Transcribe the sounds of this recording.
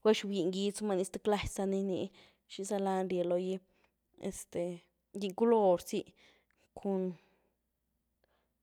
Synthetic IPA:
ɡwa˦ʃwji˧˨ŋɡi˧˦t͡sma˧ni˧st̪e˦kla˧ssa˧ni˧nḭ˧ | ʃi˧sa˧la˧nɾʲje˨lo˧ji˦ | ḛ˨˧st̪e˨ | ji˧ku˦lo˧ɾsi˧˦ | kʰo˧n

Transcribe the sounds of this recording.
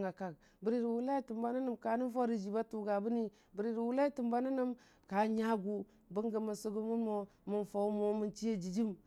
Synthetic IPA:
ŋa˨ka˨k | bi˨ɾi˦ɾi˨wu˦la˦i˦ti˨mba˦ni˦ni˦mka˨ni˦fo˦ɾi˨d͡ʒi˨ba˦tu˨ɡa˨bu˦ni˦ | bi˨ɾi˦ɾi˨wu˦la˦i˦ti˨mba˦ni˦ni˦m | ka˨ɲa˦ɡu˨ | bə˦ŋɡə˨mə˨su˦ɡu˦mu˦nmo˦mu˨nfo˨˦mo˨mi˨nt͡ʃi˦e˨d͡ʒi˨d͡ʒi˦m

